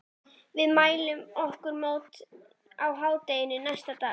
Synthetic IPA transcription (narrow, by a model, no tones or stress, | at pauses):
vɪðmaːjlʏmɔhkʏɾmoːwt̪ | awɦaːwt̪ejɪnʏnajst̪at̪aː